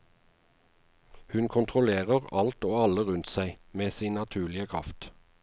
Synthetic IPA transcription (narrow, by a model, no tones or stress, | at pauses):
hʉnkʰʊnt̪ʰʁʊleːʁəʁɑlt̪oːɑləʁʉnt̪sæɪmeːsiːnnɑt̪ʰʉːlɪəkʰʁɑ̰ft̪